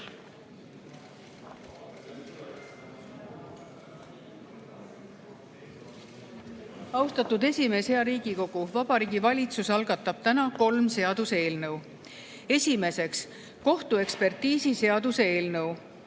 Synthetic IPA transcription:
ɑwst̪ɑt̪ud̪e̞sʲime̞she̞ɑɾiːɡ̥iko̞ɡ̥uvɑbɑɾiːɡ̥ivɑlʲit̪susɑlɡɑt̪ːˑɑb̥̚t̪ænɑko̞lmse̞ɑd̪̥use̞ːlnɤw | e̞sʲime̞se̞ks | ko̞ht̪ue̞kspe̞rt̪iːsise̞ɑd̪̥usee̞ːlnɤw

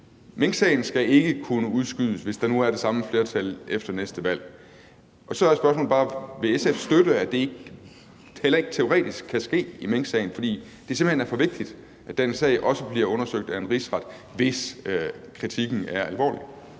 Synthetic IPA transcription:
meŋ̰ɡ̥sɛɪn̩sɡ̥æe̝ɡ̥əkʰunəuð̞ˠsɡ̥yð̰ˠəsʋe̝sd̥ɑ̈nuæɐɾ̥e̝sɑ̈məfle̝ːɐt͡sʰælefd̥ɐnesd̥əʋæl̰ | ʔɒ̽sɒ̽ɐæsb̥ɶɐsmɔ̰lb̥ɑ̈ːʋe̝esefsd̥øɾ̥əæd̥e̝e̝ɡ̥ | helɐe̝ɡ̥t͡sʰe̝o̝ʁɛ̰ːd̥isɡ̥̚ʰæsɡ̥e̝̰ːimeŋ̰ɡ̥sɛɪn̩fɒ̽d̥ḭː | d̥e̝se̝m̥b̥l̩he̝næɐfɒ̽ʋe̝ɡ̥̚d̥id̥ | ʔæd̥ensɛ̰ɪʔɒ̽səb̥liɐɔ̽nɐsøɡ̥̚d̥æe̝nʁisʁɑ̈d̥ | ʋe̝s | kʰʁit͡sʰiɡ̥n̩æɐælʋɒ̰ːli

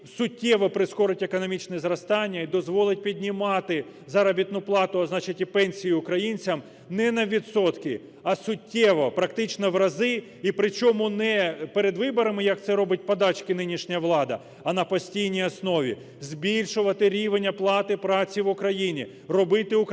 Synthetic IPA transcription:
sʊtʲːɛʋɔpɾɪskɔɾɪtʲekɔnɔmʲit͡ʃnɛzɾɐst̪ɑnʲːɐid̪ɔzʋɔlˠɪt̚ʲpʲidʲnʲimɑt̪ɪ | zɐɾɐbʲit̪nʊplˠɑt̪ʊɐznɑt͡ʃɐtʲipɛnʲsʲijiʊkɾɐjinʲt͡sʲɐm | nɛnɐʋʲit̪sɔt̪kɪ | ɐsʊtʲːɛʋɔpɾɐkt̪ɪt͡ʃnɔʋɾɐzɪ | ipɾɪt͡ʃɔmʊnɛpeɾed̪ʋɪbɔɾɐmɪjɐk̚t̪sɛɾɔbɪt̚ʲpɔd̪ɑt͡ʃkɪnɪnʲiʃnʲɐʋlˠɑd̪ɐ | ɐnɐpɔsʲtʲijnʲijɐsnɔʋʲḭ | zʲbʲilʲʃʊʋɐt̪ɪɾʲiʋenʲːɐplˠɑt̪ɪpɾɑt͡sʲiʋʊkɾɐjinʲi | rɔbɪt̪ɪʊk

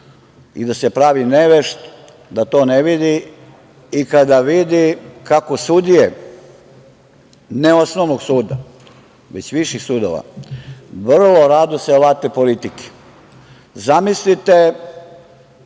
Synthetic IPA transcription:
ḭd̪ase̞pɾaʋineʋeʃt̪ | d̪at̪o̞ːneʋid̪i | ikad̪aʋid̪ikakosud̪ije | neosnoʋnoɡsuːd̪a̰ | ʋet͡ɕʋiʃixsud̪o̰ʋa̰ | ʋr̩lo̞ɾad̪oseoʋat̪epolit̪ike̥ | zamislit̪e

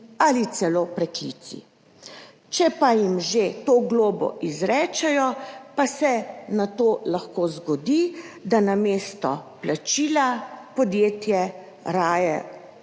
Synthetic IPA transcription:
alit̪sɛloːpɾɛklḭːt̪sḭ | t͡ʃɛpajimʒet̪oːɡloːbɔ̰ʔizɾɛːt͡ʃɛjɔpasɛnat̪oːlaxkoːzɡɔd̪id̪anameːst̪ɔplat͡ʃiːlapɔd̪jeːt̪jɛ | ɾaːjɛ

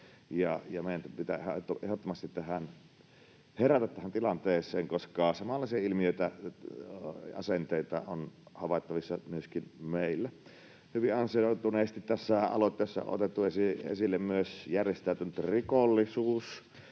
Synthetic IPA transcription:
jɑjɑmeˑijænt̪pit̪æhæt̪ːoʔehot̪ːomɑst̪it̪ːæhæn | heræt̪æt̪ːæhænt̪ilɑnt̪eːsˑeːŋkoskɑːsɑmɑlːɑˑsiɑilmiøˑit̪æ | ɑ̰sent̪eˑit̪ɑ̰onhɑʋɑˑet̪ːɑʋisːɑnyøskinmeˑilːæ | hyʋiʔɑnsioˑt̪uneːst̪it̪t̪æsːæɑ̰lot̪ˑːeːsːɑ̰ʔo̰t̪et̪ːuesiḛsilːemmyøsjærjest̪æˑyt̪ynyt̪rikolːisuːs

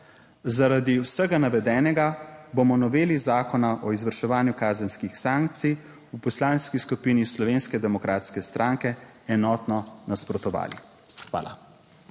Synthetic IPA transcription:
zaɾad̪iwsəɡanaʋɛd̪ɛːnɛɡabomɔnɔʋeːlizaːkɔnaʔɔizʋəɾʃɛʋaːnjukaːzənskixsaːŋk̚t̪sij | upɔslaːnskiskupinislɔʋeːnskɛd̪ɛmɔkɾaːt̪skɛst̪ɾʔaːŋkɛ | ɛnɔːt̪nɔnaspɾɔt̪ɔʋa̰ːlḭ | xʋa̰ːla̰

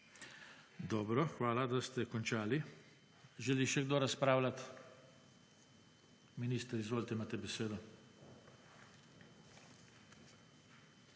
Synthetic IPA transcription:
d̪ɔːbɾɔxʋaːlad̪ast̪ɛkɔnt͡ʃaːli | ʒɛliʃɛɡd̪oːɾaspɾaːwlat̪ | miniːst̪əɾizʋoːlt̪ɛimaːt̪ɛbɛseːd̪ɔ

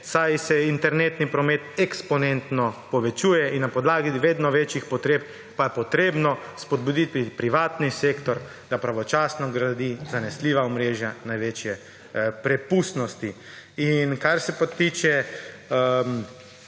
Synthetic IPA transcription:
sajsɛint̪ɛɾneːt̪nipɾɔmeːt̪ɛkspɔnent̪nɔpɔʋɛt͡ʃuːjɛinːapɔd̪laːɡiʋeːd̪nɔʋet͡ʃixpɔt̪ɾeːp̚ | pajɛpɔt̪ɾeːbnɔspɔd̪bud̪it̪̚pɾipɾiʋaːt̪nisekt̪ɔɾ | d̪apɾaʋɔt͡ʃasnɔɡɾad̪izanɛsliʋaɔmɾeːʒjanajʋet͡ʃjɛ | pɾɛpusnɔst̪i | inkaɾsɛpat̪iːt͡ʃɛ | m

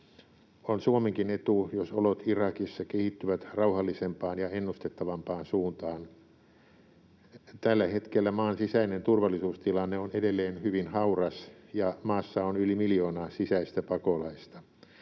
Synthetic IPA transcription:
onsuomeŋkinet̪ujosolot̪irɑkisːɑkehit̪ːyʋæt̪rɑuhɑlːisempɑːnjɑenːust̪et̪ːɑʋɑmpɑːnsuːnt̪ɑːn | t̪ælːæhet̪kelːæmɑːnsisæinent̪urʋɑlːˑisuːst̪ilɑnːeonedelːeːnhyʋinhɑurɑsjɑmɑːsːɑonylimiljoːnɑːsisæist̪æpɑkolɑist̪ɑ

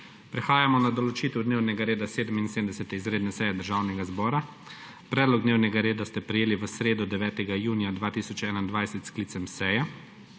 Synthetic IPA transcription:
pɾɛxaːjamɔnad̪ɔlɔt͡ʃiːt̪ɛwd̪neːwnɛɡaɾeːd̪aseːd̪əminseːmd̪ɛsɛt̪ɛizɾeːd̪nɛsɛjɛd̪əɾʒaːwnɛɡazbɔːɾa | pɾɛːd̪lɔɡ̚d̪neːwnɛɡaɾeːd̪ast̪ɛpɾɛjeːliʋəsɾeːd̪ɔd̪ɛʋɛːt̪ɛɡajuːnijad̪ʋaːt̪iːsɔt͡ʃɛːnaind̪ʋajsɛt̪skliːt̪sɛmsɛjɛ

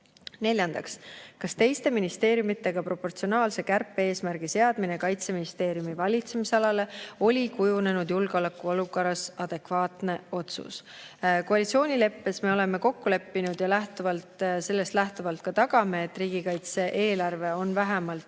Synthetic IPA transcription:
ne̞lʲjɑnd̪ɑkskɑst̪e̞jst̪e̞minist̪e̞ːɾjumit̪ːe̞ɡ̥ɑpro̞po̞rt̪sio̞nɑːlse̞kærpːee̞ːsmæɾɡ̥ise̞ɑd̪̥minekɑjt̪seminist̪e̞ːɾjumivɑlʲit̪se̞miseɑlɑle̞o̞lʲikujune̞nud̪̥julɡ̥eo̞lekːˑuo̞lukoɾɑsɑd̪̥e̞kvɑːt̪ne̞o̞t̪sṵskoɑlʲit̪sʲio̞ːnʲile̞pːe̞sme̞o̞le̞me̞ko̞kːule̞pːinud̪̥jɑlæht̪uvɑlt̪se̞lːe̞st̪læht̪uvɑlt̪̚kɑt̪ɑɡ̥ɑmeːt̪ːˑriːɡ̥ikɑjt̪se̞ʔe̞ːlɑrve̞o̞nvæɦemɑlt̪

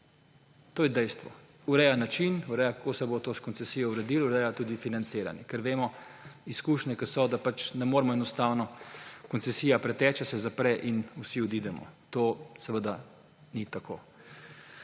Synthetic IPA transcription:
t̪oːjɛd̪ɛjst̪ʋɔ̰ | uɾɛjanat͡ʃinuɾɛjakakoːsɛbot̪oːskɔnsɛsiːjɔuɾɛd̪iluɾɛjat̪uːd̪ifinant̪seːɾa̰njɛkəɾʋeːmɔ | iskuːʃnɛkəsɔd̪apat͡ʃnɛmoːɾɛmɔɛnɔst̪aːwnɔkɔntsɛsiːjapɾɛt̪ɛːt͡ʃɛsɛzapɾɛʔinusiɔd̪iːd̪ɛmɔ̰t̪oːsɛʋəd̪a | nit̪ako̰ː

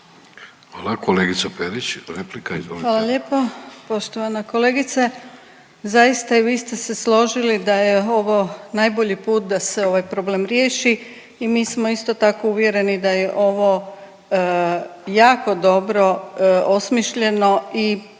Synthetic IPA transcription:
xʋalˠakoleɡit̪sapeɾit͡ɕɾeplikaḭzʋoliʋaːlaʎje̞ːpo̞po̞ʃt̪oʋanako̞le̞ːɡit̪se | zajist̪aiʋiːst̪e̞se̞slo̞ʒilid̪ajeo̞ʋo̞najbo̞ʎipuːt̪̚d̪ase̞o̞ʋajpɾo̞bleːmɾjeːʃiː | miːsmo̞ist̪o̞t̪ako̞uʋje̞ɾe̞nid̪aje̞ʔo̞ʋo̞ | jaːko̞d̪o̞bɾo̞o̞smiʃʎe̞no̞i

